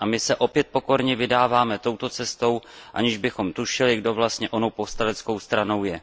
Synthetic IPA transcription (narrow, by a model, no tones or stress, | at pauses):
ʔamɪsɛʔo̞pjɛt̪̚po̞ko̞ɾɲɛvɪdaːvaːmɛt̪o̞wt̪o̞t͡sɛst̪o̞wʔa̰ɲɪʒbɪxo̞mt̪uʃɪlɪɡdo̞vlast̪ɲɛʔo̞nowpo̞fst̪alɛt͡sko̞wst̪ɾano̞wjɛ